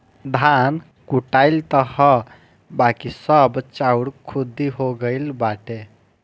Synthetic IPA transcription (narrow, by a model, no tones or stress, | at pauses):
d̪ʱan | kuʈaɪlt̪əhə | bakisəbt͡ʃauɽkʰud̪iɦoɡəjlbaʈe